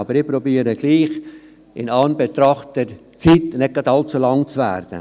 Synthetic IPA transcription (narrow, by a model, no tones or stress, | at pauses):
ɑbəɾɪpɾɔbiːɾəɡ̥liːχ | ɪnɑːnbet̪ɾɑχt̪əɾ | t͡sit̪nɪɡ̥ɑd̪ɑlt͡sulɑŋt͡svæ̰ɾd̥̪ə̰